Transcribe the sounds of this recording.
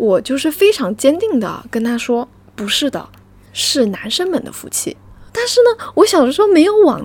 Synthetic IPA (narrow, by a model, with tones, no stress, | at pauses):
wɔ˨˩t͡ɕjo˥˧ʊʂɻ̩˥˩fe˥ɪʈ͡ʂʰɑ˧˥ŋt͡ɕjɛ˥nt̪i˥˩ŋd̪ə̰˩kə˥nt̪ʰa˥ʂwɔ˥ | pu˧˥ʂɻ̩˥˩d̪ə̰˩ | ʂɻ̩˥˩na˧˥nʂə˥nmə̰˨˩nd̪ə̰˦fṵ˧˥˩t͡ɕʰḭ˥˩t̪a˥˧nʂɻ̩˥˩nə˩wɔ˧˥ɕjɑ˨˩ʊd̪ə˦ʂɻ̩˥xme˧˥ɪjo˧˥ʊwɑ̰˨˩ŋ